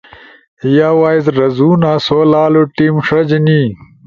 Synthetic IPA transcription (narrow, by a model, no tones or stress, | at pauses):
jaːwaːizɾɐzuːnaːsoːlaːloʈiːmʂɐd͡ʑni